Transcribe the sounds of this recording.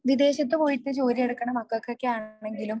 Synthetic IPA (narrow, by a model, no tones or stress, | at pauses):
ʋid̪e̞ːɕɐt̪ːɨpo̞ːjit̪ːɨt͡ɕo̞ːɾieɽɐkːɐɳɐmɐkːokːokːeaːɳɳe̞ŋɡilum